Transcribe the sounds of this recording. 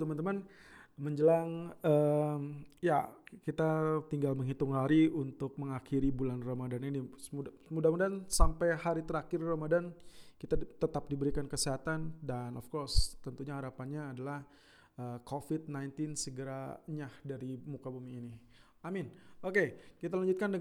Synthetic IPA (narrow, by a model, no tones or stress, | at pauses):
t̪əmant̪əman | məɲd͡ʒəlaŋəmja̰kit̪at̪iŋɡalməŋɦit̪ʊŋhaɾiunt̪ʊk̚məŋakiɾibulanramadaninimu | mudamudansampajhaɾit̪əɾakɪrramadankit̪at̪ət̪ap̚dibəɾikankəsiɦat̪andanɔfkɔrst̪ənt̪uɲahaɾapanɲaːdalah | əkofɪt̪̚najnt̪ɪnsəɡəɾaɲahdaɾimukabumiːni | amɪnokekit̪alaɲd͡ʒut̪̚kandə